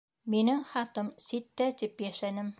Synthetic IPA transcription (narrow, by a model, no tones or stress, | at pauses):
minɘŋχɑt̪ɤmsit̪ːæt̪ipjæʃænɘm